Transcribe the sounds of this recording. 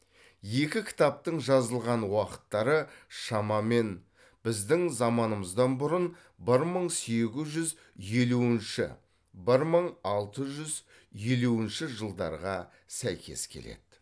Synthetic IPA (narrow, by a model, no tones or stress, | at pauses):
je̞kʲɪkʲʰɪ̥t̪ɑp̚t̪əɴʒɑzəlˠʁɑnwɑqə̥t̪ːɑɾəʃɑmɑme̞n | b̥ɪzd̪ɪŋzɑmɑnəməzd̪ɑnbʊɾən | bɪɾməɴse̞ɡʲɪzʒʏz | je̞luɪnʃɪ̰ | bɪɾməɴɑlˠt̪əʒʏz | je̞luɪnʃɪʒəlˠd̪ɑ̰ɾʁɑ | sæjkʲʰe̞̰skʲʰe̞̰le̞̰d̪̥